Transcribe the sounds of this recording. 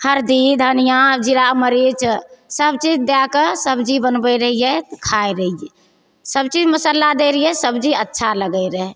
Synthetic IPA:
həɾd̪id̪ʱənijãd͡ʒiɾaməɾit͡ʃsəbt͡ʃid͡ʒd̪jakəsəbd͡ʒibənbəɾəɦijɛt̪kʰaeɾəɦijɛ | səbt͡ʃid͡ʒməsəlːad̪eɾəiɛsəbd͡ʒiətːʃʰaləɡəɪɾəɦɛ

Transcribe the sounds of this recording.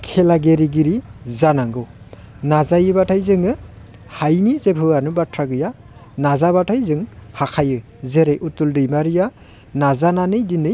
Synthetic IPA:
kʰelaɡeɾiɡiɾizanaŋɡɯw | nazajɯbatʰajzɯŋɯ | hajnizepʰɯanubatʰɾaɡɯja | nazabatʰajzɯŋhakʰajɯ | zeɾejʔutuldɯjmaɾija | nazananɯjdinɯj

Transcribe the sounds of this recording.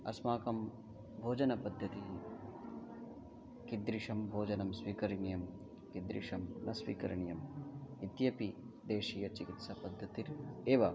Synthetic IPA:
ɐ̰smaːkɐm | bʱoːd͡ʒɐnɐpɐd̪ʱːɐt̪i | kid̪ɾiʂɐmbʱoːd͡ʒɐnɐmsʋiːkɐɾiɳijɐm | kid̪ɾḭʂɐmnɐsʋḭːkɐ̰ɾɐɳijɐmit̪jɐpi | d̪eːʂiːjɐt͡ʃikit̪sɐpɐd̪ʱːɐt̪iɾeːʋɐ

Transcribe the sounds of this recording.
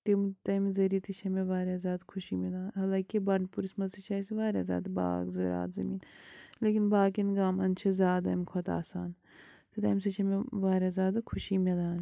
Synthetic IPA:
t̪imt̪ɐmzɐɾit̪it͡ʃʰɐmeʋaːɾjazjaːd̪kʰʊʃimed̪aːnɦɐlaːkibɐɳɖpuɾismɐzit͡ʃʰaːseʋaːɾja̰zʲa̰ːd̪ba̰ːɡzɐ̰ɾa̰ːt̪zɐmiːnleːkinbaːkinɡaːmɐnt͡ʃʰɐzʲaːd̪ɐ̰mkʰot̪a̰ːsaːn | t̪et̪ɐːms̬ɐt͡ʃʰɐmeʋaːɾazʲjaːd̪ɐkʰʊʃimeːd̪aːn

